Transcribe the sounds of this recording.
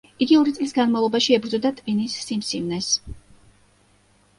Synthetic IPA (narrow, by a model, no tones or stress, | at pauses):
iɡiɔɾit̪sʼlisɡanmavlˠɔbaʃiɛbɾd̪zɔd̪at̪ʼpʼinisːimsimnɛs